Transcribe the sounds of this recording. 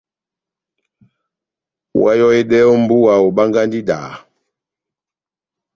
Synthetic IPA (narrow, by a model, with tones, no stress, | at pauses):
wa˦jɔ˦e˦dɛ˦ɔ˦m̩˦bu˦wa˨o˨ɓa˦ŋɡa˦ndi˦da̰ː˨